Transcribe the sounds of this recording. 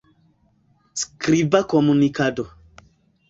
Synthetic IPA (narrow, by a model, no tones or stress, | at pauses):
skɾibakomunikado